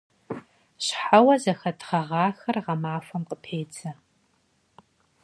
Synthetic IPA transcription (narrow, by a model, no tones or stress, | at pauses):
ɕħawɐzɐxɐtʰʁɐʁɑːxɐrʁɐmaːfɐmqəpʰeːt͡sʰɐ